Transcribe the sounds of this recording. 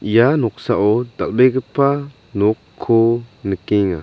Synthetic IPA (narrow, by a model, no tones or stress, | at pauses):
januk̚saʔod̪a̰lbeɡəpa | nukʰːonəkiŋa̰